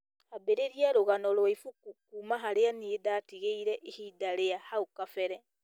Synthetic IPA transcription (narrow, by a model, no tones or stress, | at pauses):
habeɾeɾiaɾoɣanɔɾwɔifukukumaɦaɾeaniedaːtiɣeiɾɛʔehiːdaɾeahaokafɛɾɛ